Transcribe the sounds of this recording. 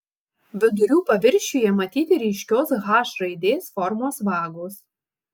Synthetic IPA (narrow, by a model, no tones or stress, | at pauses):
ʋʲɪd̪ʊɾʲuːpɐʋʲɪɾʲʃʲujɛmɐt̪ʲiːt̪ʲɪɾʲiɪʃʲkʲoːsɣɑːʃɾɐɪd̪ʲeːsfɔɾmoːsʋɑːɡoːs